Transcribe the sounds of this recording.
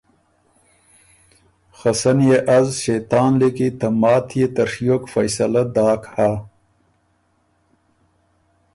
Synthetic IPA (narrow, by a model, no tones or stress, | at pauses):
xasɐnjeʔazʃajt̪ɑːnlikit̪amɑːt̪ʰjet̪ɐɾʂjokfɐjsɐlad̪ɑːkha